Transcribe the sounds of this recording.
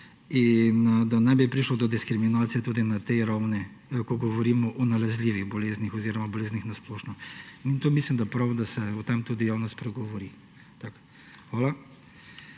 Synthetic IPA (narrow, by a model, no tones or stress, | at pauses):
ind̪anajbipɾiʃlɔd̪ɔd̪iskɾiminaːt̪sijɛt̪uːd̪inat̪ɛjɾawnɛ | kɔɡɔʋɔɾiːmɔʔɔnalazliːʋiɣbɔleznixɔziːɾɔmabɔleznixnasplɔːʃnɔmint̪omislimd̪apɾawd̪asɛut̪amt̪ud̪ijawnɔst̪pɾɛɡɔʋɔɾi | t̪ak | xʋaːla